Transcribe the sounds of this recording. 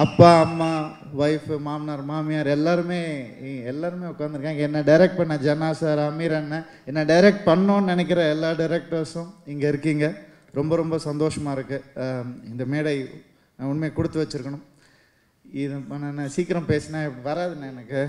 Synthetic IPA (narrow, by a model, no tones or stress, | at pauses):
ɐpːaːɐmːaː | ʋɐɪfmaːmnaːɾmaːmɪjaːɾɛlːaːɾɯmeːɛlːaːɾɯmeːʊkːaːnd̪ɪɾɯkːaːŋɡɐɛnːɐɖɐɪɾɛk̚ʈ̚pɐɳːɐd͡ʒɐnaːsaːɾɐmiːɾɐnːɐ | ɛnːɐɖɐɪɾɛk̚ʈ̚pɐɳːõːnnɛnɛk̬ʲːɪɾɐɛlːaːɖɐɪɾɛk̚ʈɐɾsʊ̃ɪŋɡɐɪɾɯkːiːŋɡɐ | ɾɔmbɐɾɔmbɐsɐnd̪oːʂɐmaːɪɾɯkːɯɪnd̪ɐmeːɽɐɪ | nãʊnmeːkʊɽɯt̪ːɯʋɐt͡ʃːɯɾɯkːɐɳʊ̃m | ɪðnɐnːãːsiːkːɪɾɐ̃mpeːsɐnaːɪʋɐɾaːðɯnːɐɛnɐkːɯ